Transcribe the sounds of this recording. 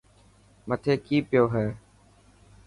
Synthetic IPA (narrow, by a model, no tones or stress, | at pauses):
mət̪ʰeːkiːpɪjoːɦɛː